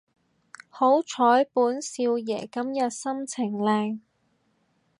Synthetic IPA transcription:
ho˨˥wt͡ʃʰɔː˨˥jpuː˨˥nsiː˧wjɛː˨˩kɐ˨˥mjɐ˨t̚sɐ˥mt͡sʰɪ˨˩ŋlɛː˧ŋ

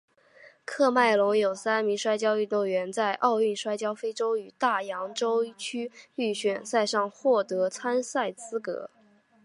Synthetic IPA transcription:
kʰɤ˥˧ma˥˩ɪlʊ˧˥ŋjo˨˩ʊsa˥nmi˧˥ŋʂwa˥ɪt͡ɕjɑ˥ʊy˥˧t̪o˥˩ŋɥɛ˧˥nt͡sa˥˧ɪʔɑ˥˧ʊy˥˩nʂwa˥ɪt͡ɕjɑ˥ʊfe˥ɪʈ͡ʂo˥ʊy˨˩t̪a˥˩jɑ˧˥ŋʈ͡ʂo˥ʊt͡ɕʰy˥y˥˩ɕɥɛ˨˩nsa˥˧ɪʂɑ˥˧ŋxwɔ˥˩t̪ɤ˧˥t͡sʰa˥nsa˥˩ɪt͡sɹ̩˥kɤ̰˧˥

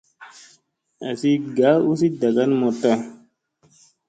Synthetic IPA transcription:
a˨si˦ɡa˨˦u˦s̬i˦da˨ɡa˦nmɔ˨tɔ˦

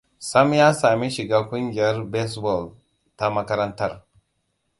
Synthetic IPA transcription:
sa˦m˦ja˦sa˨mi˦ʃi˨ɡa˦kʷu˦nɡa˦ɾbe˦sbo˨l | ta˦ma˦ka˦ɾa˦nta˦˨ɾ

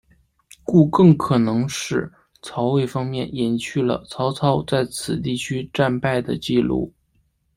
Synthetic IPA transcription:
ku˥˧kɤ˥˩ŋkʰɤ˨˩nɤ˧˥ŋʂɻ̩˥˩ | t͡sʰɑ˧˥ʊwe˥˩ɪfɑ˥ŋmjɛ˥˩njɛ˨˩nt͡ɕʰy˥˩lə̰˩t͡sʰɑ˧˥ʊt͡sʰɑ˧˥ʊt͡sa˥˩ɪt͡sʰɹ̩˨˩t̪i˥˩t͡ɕʰy˥ʈ͡ʂa˥˧npa˥˩ɪd̪ə˩t͡ɕi˥˧lṵ˥˩

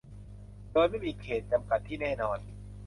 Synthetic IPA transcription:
doː˧jma˥˩jmiː˧kʰeː˨˩t̪̚t͡ɕa˧mka˨˩t̪ʰːiː˥˩nɛː˥˩nɔː˧n

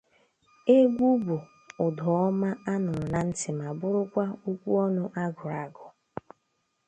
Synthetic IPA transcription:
e˦ɡʷu˦bu˨ | ʊ˨dɔ˨ɔ˦ma˦a˦nʊ˨na˨n̩˦tɪ˨ma˨bʊ˦ɾʊ˦kʷa˦u˦kʷu˦ɔ˦nʊ˦ʔa˦ɡʊ˨ɾa˨ɡʊ˨

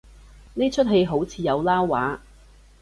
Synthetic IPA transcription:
ne˥t͡ʃʰɵ˥t̚ɦe˧jɦo˨˥wt͡sʰiː˧jɐ˨˧wlaː˥wːa̰ː˨˥

